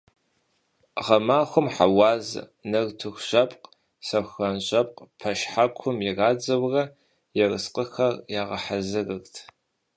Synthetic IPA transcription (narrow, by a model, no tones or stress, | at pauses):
ʁɐmaːxʷʊmħa̰waːzɨ̰nɐrtʰɨxʷɕɐpʼq | sɐxxɐnɕʼɐp̚ʼqʼpʰɐʃħakʷʰʊmjɛraːd͡zɐwrɐ | jɛrɨsqəxɐrjaːʁɐħazɨrɨrtʰ